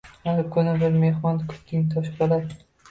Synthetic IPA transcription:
haɾkʰʊnɪbɪɾme̞hmɒnkʰʊ̥p̚t̪ɪŋt̪ʰɒʃbola

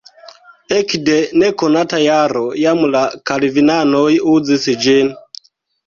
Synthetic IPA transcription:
ɛkidɛnɛkɔnatajaɾojamulakalivinanojud͡zisid͡ʒin

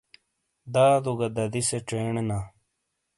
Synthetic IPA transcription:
d̪aːd̪uɡɐd̪ɐd̪iseʈ͡ʂeːɳena

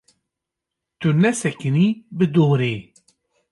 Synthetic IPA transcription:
t̪unɛsɛkɨnibɨd̪oːɾeː

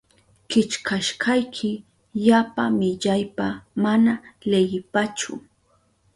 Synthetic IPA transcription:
kɪt͡ʃkʰaʃkajkʰɪ | ʎapamɪʎajpamanalejɪpat͡ʃʊ̰

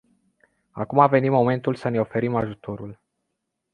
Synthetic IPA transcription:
a̰kumave̞nimo̞me̞nt̪ulsəne̞o̞fe̞ɾimaʒut̪o̞ɾul

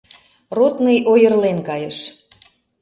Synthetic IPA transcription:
rot̪nəjʔojərlenkɑjəʃ

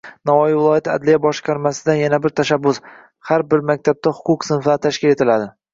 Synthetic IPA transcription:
navɒjivɪlˠɒjat̪a̰d̪lɪjabɒʃqɑɾmasɪd̪anjanabɪɾt̪ʰaʃabːʊs | haɾbɪɾmak̚ʲt̪ʰab̚t̪ahʊqʊqsɪnfat̪ʰaʃkʲɪle̞t̪ʰɪlad̪ɪ

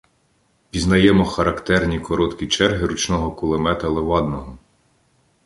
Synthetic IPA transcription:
pʲiznɐjɛmɔxɐɾɐkt̪ɛrnʲikɔɾɔt̪kʲit͡ʃɛrɦɪɾut͡ʃnɔɦɔkulˠemɛt̪ɐlˠeʋɑd̪nɔɦɔ

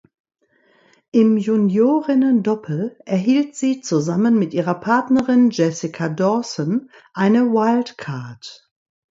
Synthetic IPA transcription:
ʔɪmjunjoːʁɪnəndɔpʰl̩ʔɛɐɦiːltz̥iːt͡suzamənmɪtʔiːʁɐpʰaɐtnəʁɪnd͡ʒɛsɪkʰadɔsɔn | ʔaɪnəwaɪltkʰaɐt

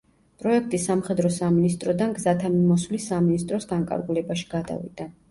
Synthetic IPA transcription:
pʼɾɔɛk̚ʰt̪ʼisamχɛd̪ɾɔsaminist̪ʼɾɔd̪anɡzat̪ʰamimɔswlisaminist̪ʼɾɔsɡaŋkʼa̰ɾɡulɛbaʃi̥ɡad̪a̰vḭd̪̥a

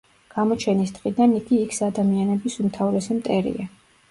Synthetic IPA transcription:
ɡ̥amɔt͡ʃʰɛnisd̪̥qʼid̪aniɡ̥iːkʰsad̪amianɛbisumt̪ʰavɾɛsimt̪ʼɛɾḭa

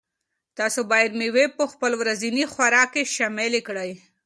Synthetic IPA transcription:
t̪ɑsobɑjɪɾmiwepəxpəlwɾazinixwaɾɑkeʃɑmɪlekɽaj

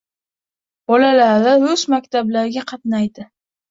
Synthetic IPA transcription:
b̥ɒlalaɾlaʊsmakʲt̪ʰablaɾɡʲaqʰɑt̪najd̪ɪ

